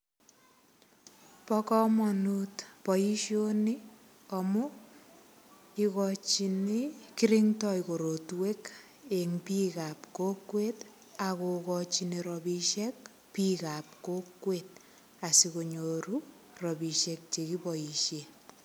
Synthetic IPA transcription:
pɔkɔmɔnutpɔjiʃjoni | ɔmu | ikɔt͡ʃinikiɾiŋtɔjkoɾotwek | eŋpikapkokwet | akokɔt͡ʃiniɾɔbiʃɛk | pikap̚kokwet̚ | asikoɲoɾu | rɔbiʃek̚t͡ʃekipɔiʃe

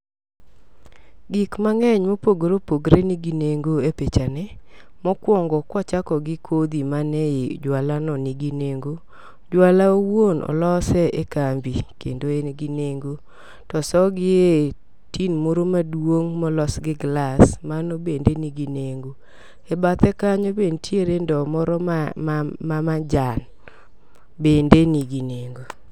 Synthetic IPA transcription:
ɡikmaŋɛɲmopoɡɾopoɡɾeniɡineŋɡoepet͡ʃanɛ | mɔkwɔŋɡɔkwɔt͡ʃakɔɡɪkʰod̪imanɛjɪd͡ʒwalanɔniɡineŋɡo | d͡ʒwalaowonʔɔ̰lɔsɛekambikḛndoenɡineŋɡo | tɔsɔɡɪe | tinmoɾomadwoŋmɔlɔsɡɪɡlasmanobendeniɡineŋɡo | ebat̪ɛkaɲobentjeɾendɔmɔɾɔm | mamad͡ʒan | bendeniɡineŋɡo

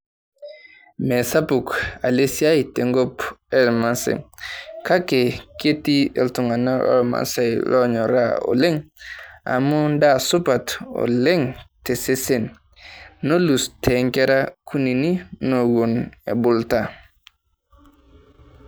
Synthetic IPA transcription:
mesapukalesiajteŋɡopelmansḛŋkakeketiḛltuŋanao̰lma̰sajlʔoɲoɾa̰o̰leŋ | a̰mundasupato̰leŋtesesenː | olustʰeŋkeɾakunininoɡunḛbulta

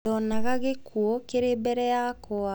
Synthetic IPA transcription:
ɔnaɣaɣekʰuɔkeɾeːbɛɾɛjakoa

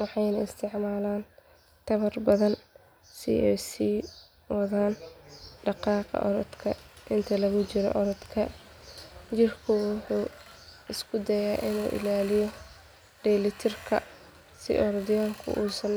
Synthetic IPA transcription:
wɑħɑjnɐɪst̪ʰɪʕmaːlaːn | t̪ʰɐβɐrbɐðɐn | sḭɛjsiː | wɐðaːnɖɑqɑːqɑ̰ʔɔɾɔd̪kʰɐʔɪnt̪ʰɐlɐɣʊt͡ʃɪɾɔ̰ʔɔɾɔd̪kʰɐ | t͡ʃɪrkʰʊwʊħuː | ɪskʰʊd̪ɐjaːʔɪnuːʔɪ̰laːlɪjɔ | ɖ̥ɛːlɪt̪ʰɪrkʰɐ̰ | sɪ̰ʔɔɾɔd̪jaːŋkʰʊ̰ʔuːsɐn

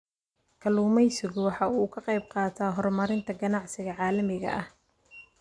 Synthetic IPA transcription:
kʰɐluːmɛjsɪɣʊwɑħɑːuːkʰɐqɑjb̚qɑːt̪ʰaːɦɔrmɐɾɪnt̪ʰɐɡɐnɑʕsɪɣɐʕɑːlɐmɪɣɐ̰ʔɐh

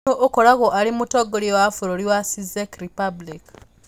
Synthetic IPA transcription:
oʔokolaɣoʔalimutoɡoliwafuɾoliwasizekɾipablik

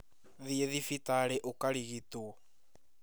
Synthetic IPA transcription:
ðieðifitaɾeʔokaɾiɣito

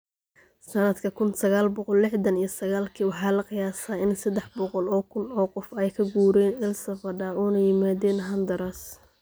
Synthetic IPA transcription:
sɐnɐd̪kʰɐkʰʊnsɐɣaːlbɔqɔlːɪħd̪ɐnijɞsɐɣaːlkʰiːwɑħɑːlɐqɪjaːsaːɪnsɐd̪ɛħbɔqɔlɔːkʰʊnɔːqɔfɛjkʰɐɡuːɾɛːnɪlsɐfɐɖɐuːnɐjɪmaːðɛːnɦɐnd̪ɐɾɐs

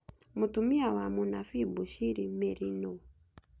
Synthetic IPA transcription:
mutumiawamunafibuʃiɾimeɾino

